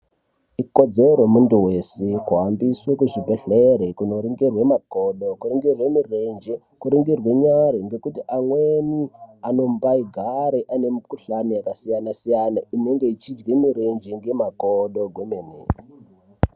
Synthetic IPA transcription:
iko̞d͡zeɾomuntuwesekuɦambiswekuʐibʱeɬeɾekunoɾiŋɡirwemakoɗokuɾiŋɡirwe̞mirend͡ʒe | kuɾiŋɡirwe̞ɲaɾeŋɡe̞kutiʔaŋweniano̞mbaiɡʱaɾeʔane̞mikuɬanijakasijanasijanaine̞ŋɡe̞it͡ʃid͡ʒɡwemiɾend͡ʒeŋɡe̞makoɗo̞ɡʱwomeneː

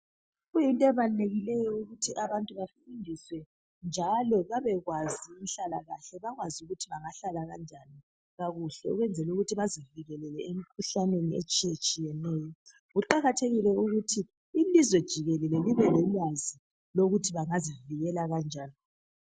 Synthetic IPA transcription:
ɣujintʼɔɛβaneɣilɛjɔuɣutʰiʔaβantʼuβafiindʱiswɛ | nd͡ʒʱalɔβaβɛɣwaziim̩ɬalaɣaɬɛβaɣwazuɣutʰiβaŋaɬalaɣand͡ʒʱani | ɣaɣuɬɛɔ̰ɣwɛnd͡zʱɛluɣutʰiβaziviɣɛlɛlɛem̩kʰuɬanweniet͡ʃʼijɛt͡ʃʼijɛnɛːjɔ | ɣuǃaɣatʰeɣilɛuɣutʰiː | lizwɛd̥ʒ̥ʱiɣɛlɛlɛliβɛlɛlwazi | loɣutʰiβaŋaziviɣɛlaɣand͡ʒʱaːni

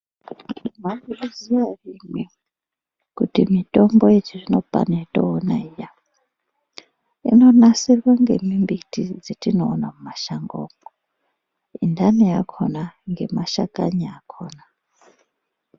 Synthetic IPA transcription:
maɡuruziʋarimwe | kutimitʼomboet͡ʃiʐinopa̰naitʼo̰ːnaija | ḭnonasirwaŋɡḛmimbitid͡zetinoːnamumaʃaŋɡoːŋo | indʱanijakʰonaŋɡemaʃakʼaɲiakʰoːna

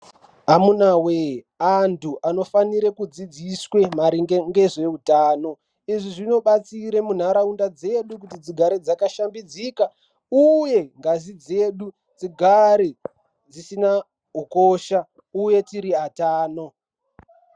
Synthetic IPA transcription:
amunawe | antʰuʔano̞faniɾekud͡zid͡ziswe̞maɾiŋɡeŋɡe̞ʐe̞utaːno̞ | iʐiʐino̞ɓat͡siɾemun̤aɾaundad͡ze̞ɗukutid͡ziɡʱaɾed͡zakaʃambid͡zika | uje̞ŋɡazid͡ze̞ːɗu | d͡ziɡʱaɾe | d͡zisina | ɦukoːʃa | uje̞tiɾiataːno̞

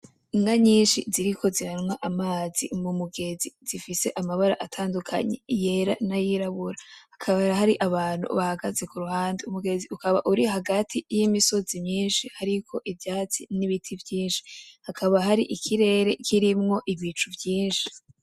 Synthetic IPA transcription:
ŋɡaɲiːnʃiziɾikʰo̞ziɾaɾŋaʔamaːzḭmumuɡe̞ziz̥ifise̞ʔamaβaɾa̰ʔatʰaːndukʰa̰ɲe̞̰je̞ɾa̰najiɾaβuɾahakʰaβaɾaɦaɾiʔaβaːn̥ṵβahaɡaze̞kuɾuhaːndeumuɡe̞ziukaβaʔuɾihaɡatʰijimiso̞zimɲiːnʃihaɾikʰo̞ʔivjaːt͡siniβitʰivjiːnʃi̥hakʰaβaɦaɾiʔikʰiɾe̞ːɾe̞kʰiɾimŋo̞ʔiβit͡ʃuvjiːnʃi̥

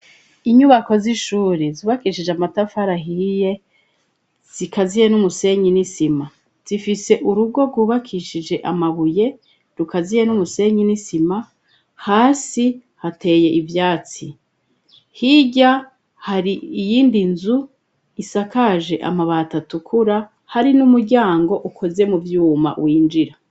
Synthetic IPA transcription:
iɲuβako̞ziʃuːɾizuβakiːʃid͡ʒeamatafaɾaɦije̞ | z̥ikʰazijenumuse̞ɲinisima | z̥ifise̞ʔuɾubɡo̞ɡɡuːβakʰiʃid͡ʒe̞ʔamaβuje̞ | ɾukazije̞numuse̞ɲinisima | haːsihate̞je̞ʔivjaːt͡si | hiɟa | haɾiijiːndinzu | isakaʒe̞ʔa̰maβatatukʰuɾa | haɾinumuɾɟaːŋɡo̞ʔukʰo̞ze̞muvjuːma̰wiːnd͡ʒiɾa

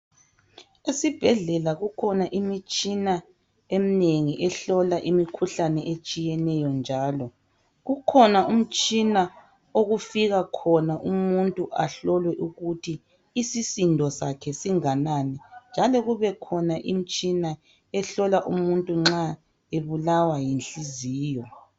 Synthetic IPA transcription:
esib̥ʱɛɮɛlaɣukʰɔnaʔimit͡ʃʼina | emineŋiʔɛɬɔlaʔimikʰuɬanɛʔet͡ʃʼijɛnɛjɔnd͡ʒʱaːlɔ | ɣukʰɔnaum̩t͡ʃʼina | oɣufiɣakʰɔnaʔumuntʼuʔaɬɔlwɛʔuɣutʰiː | sisindʱɔsakʰɛsiŋananɛnd͡ʒʱalɔɣuβɛkʰɔnaʔim̩t͡ʃʼina | ɛɬɔlaʔumuntʼuŋ͡ǁa | eβulawajinɬiziːjɔ

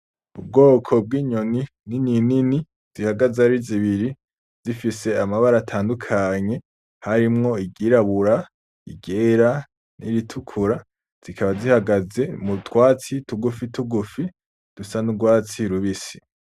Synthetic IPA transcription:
ub̚ɡoːkʰo̞b̚ɡiːɲoni | nininini | z̥ihaɡazeaɾiziβiɾi | z̥ifise̞amaβaɾatʰaːndukʰaɲe̞ | haɾimŋo̞iɡiɾaβuɾa | ḭɡeːɾa | niɾitʰukʰuɾa | z̥ikʰaβazihaɡaze̞mutʰwaːt͡situɡufituɡufi | d̥usanuɡwaːt͡siɾuβisi̥

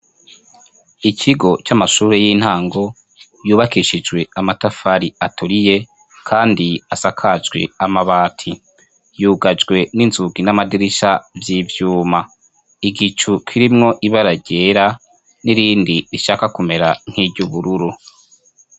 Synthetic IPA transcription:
icʰiɡo̞t͡ʃamaʃuːɾe̞jin̥haːŋɡo̞ | juːβakiʃid͡ʒɡwe̞amatafaɾiatuɾije̞ | kʰaːndiasakʰad͡ʒɡwe̞̰amaβaːtʰi | juːɡad͡ʒɡwe̞ninzuɡinamadiɾiʃavjiːvjuːma | iɡit͡ʃukʰiɾimŋo̞ʔiβaɾaɟe̞ːɾa | niɾiːndiɾiʃaːkakume̞ɾaŋ̥hiːbɟuβuɾuɾu

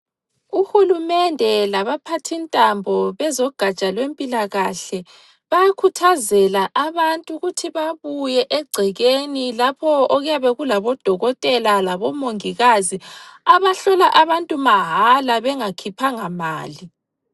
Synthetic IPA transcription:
uxulumɛndʱɛlaβapʰatʰintʼambʱɔβɛzɔɡ̥ʱat͡ʃʼalwempʼilaɣaɬɛ | βajakʰutʰazɛlaʔaβantʼuɣutʰiβaβujɛʔɛɡ͡ǀʱɛɣenilapʰɔɔɣujaβɛɣulaβɔd̥ʱɔɣɔtʼɛlalaβɔmoŋiɣaziaβaɬɔlaʔaβantʼumaɦalaβɛŋakʰipʰaŋama̰ːli

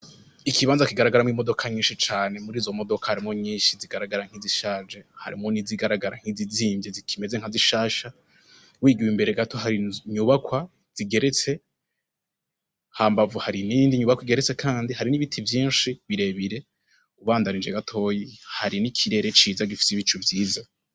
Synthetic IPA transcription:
ikiβaːnzakiɡaɾaɡaɾamŋimo̞do̞kʰaɲĩːnʃit͡ʃaːne̞muɾiːzo̞mo̞do̞kahaɾimoɲiːʃiziɡaɾaɡaɾaŋ̥iziʃaːd͡ʒeha̰ɾḭmoniziɡaɾaɡaɾaŋ̥hiziziːmbjezikʰime̞zeŋhaziʃaːʃa | wiːɡiwimbe̞ɾe̞ɡato̞ɦaɾiɲuβakwa | z̥iɡe̞ɾet͡se̞ | haːmbavuhaɾiniːndiɲuβakwiɡeɾet͡se̞kʰaːndihaɾiniβitʰivjiːnʃiβiɾe̞βiɾe̞ | uβaːndanind͡ʒeɡatʰo̞ːjihaɾinikʰiɾe̞ɾe̞t͡ʃiːzaɡifi̥siβit͡ʃuvjiːza

